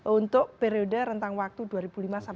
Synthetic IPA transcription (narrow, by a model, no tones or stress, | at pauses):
unt̪ʊʔ̚peɾiodəɾənt̪aŋwak̚t̪ud̪uaɾib̥ulimasa